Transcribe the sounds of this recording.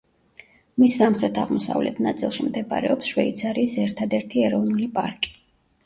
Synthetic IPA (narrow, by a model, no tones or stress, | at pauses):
misːamχɾɛt̪ʰaʁmɔsa̰vlɛ̰t̪ʰnat̪sʼilˠʃimd̪ɛba̰ɾɛ̰ɔpsʃwɛit̪sʰaɾiːsɛɾt̪ʰad̪ɛɾt̪ʰiɛɾɔvnulipʼa̰ɾkʼi̥